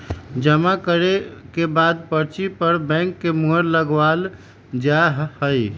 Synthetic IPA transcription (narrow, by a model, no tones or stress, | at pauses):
d͡ʒəmakəɾekebad̪pəɾt͡ʃipəɾbɛ̃ŋkːemuɦəɾləɡʋal | d͡ʒaɦhəj